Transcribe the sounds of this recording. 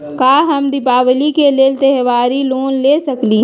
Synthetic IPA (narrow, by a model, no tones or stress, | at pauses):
kaːɦɐmd̪ɪpaːʋlikeleːlt̪ɛɦʋaːɾiloːnleːsɐkliː